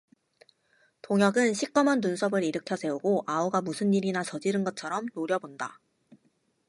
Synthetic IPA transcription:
toŋjʌɡɯnɕʰik͈ʌmʌnːunsʰʌbɯɾiɾɯkʰjʌsʰe̞uɡoʔauɡamusʰɯnːiɾinat͡ɕʌd͡ʑiɾɯnɡʌt̚t͡ɕʰʌɾʌmnoɾjʌbonda

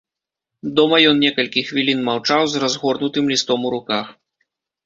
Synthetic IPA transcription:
d̪ɔmɐjɔnnʲɛkɐlʲkʲixvʲilʲinmawt͡ʂawzrazɣɔrnut̪ɨmlʲist̪ɔmuɾukax

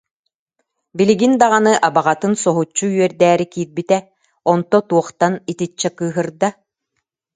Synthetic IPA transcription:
biliɡind̪aʁanɯʔabaʁat̪ɯnsɔɦut͡ɕːuɥœɾd̪æːɾikiːɾbit̪ɛ | ɔnt̪ɔt̪uɔχt̪anit̪it͡ɕːɛkɯːɦɯɾd̪a

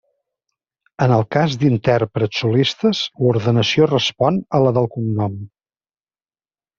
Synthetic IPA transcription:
ənəlˠkazd̪int̪ɛrpɾət̪sulist̪əzluɾðənəsiorəspɔnələðəlˠkumnɔm

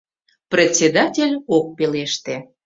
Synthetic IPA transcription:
prʲet͡sʲed̪ɑtʲelʲok̚peleʃt̪e

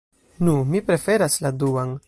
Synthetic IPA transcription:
numipɾe̞fe̞ɾasladuan

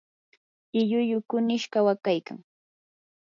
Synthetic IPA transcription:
ɪʎʊjʊkʊnɪʃɢawakajka̰ŋ

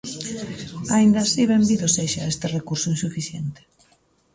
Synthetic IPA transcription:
aind̪asiβembiðoseʃaest̪ɪrekuɾsʊinsufiθjent̪ɪ̥

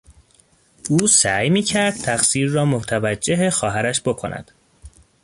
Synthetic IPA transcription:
ʔuːsæjmiːcʰæɾd̪̥̚t̪ʰæxsiːɾːɒːmot̪ʰævæd͡ʒːe̞ɦexɒːɦæɾæʃbokʰo̰næ̰d̪̥

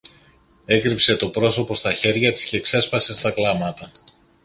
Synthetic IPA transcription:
e̞kɾipse̞t̪o̞pɾo̞so̞po̞st̪ɐçe̞ɾʝɐt̪i̥sce̞ːkse̞spɐse̞st̪ɐklɐmɐt̪ɐ

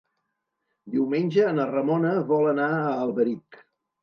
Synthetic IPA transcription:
d̪iwmenʲʒəːnərəmonəβɔlənaəːlˠβəɾik

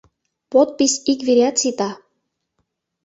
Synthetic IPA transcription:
pot̪̚pisʲikveɾʲɑt̪sit̪ɑ

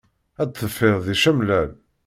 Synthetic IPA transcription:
æd̪θːəfːɪððiʃæmlæl

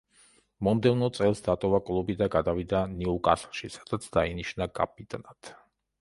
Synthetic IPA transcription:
mɔmd̪ɛvnɔt̪sʼɛlˠsd̪at̪ʼɔvakʼlˠubid̪aɡad̪avid̪aniukʼa̰sχʃisad̪at̪sʰd̪̥ainiʃnakʼa̰p̚ʰʼit̪ʼnat̪ʰ

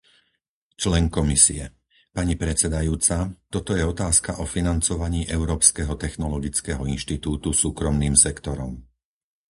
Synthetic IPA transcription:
t͡ʃlɛŋkɔmisḭɛ | paɲipɾɛt͡sɛd̪ajuːt͡sat̪ɔt̪ɔjɛɔt̪aːskaʔɔfinant͡sɔʋaɲiːʔɛʊɾɔːpskɛɦɔt̪ɛxnɔlɔɡit͡skɛɦɔinʃt̪it̪uːt̪usuːkɾɔmniːmsɛkt̪ɔɾɔm

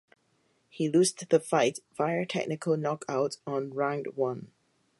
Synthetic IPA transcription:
hilusðəfaɪt̚v̥aɪətʰɛ̰k̚nɪkʰəlˠnɔkʰaʊtɔ̃nɹãŋdwʌ̃n

